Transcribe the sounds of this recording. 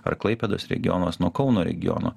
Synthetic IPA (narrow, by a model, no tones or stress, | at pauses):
ɐ̰ɾklˠɐɪpʲɛd̪oːsɾʲɛ̰ɡʲɪɔ̰noːsnuɔkɒʊnoːɾʲɛ̰ɡʲɪ̰jɔ̰no̰ː